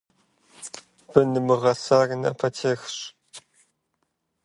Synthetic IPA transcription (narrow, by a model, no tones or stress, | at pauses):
b̥ɨnɨmɨʁɐsaːrnɐ̰pʰɐtʰeːxɕ